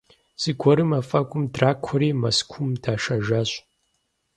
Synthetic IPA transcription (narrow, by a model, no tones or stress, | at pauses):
z̥ɨɡʷɔɾɨmɐfʼɐkʷʼʊmdraːkʷʰɔɾeːmɐskʷʰʊmdʰaːʂɐʒaɕ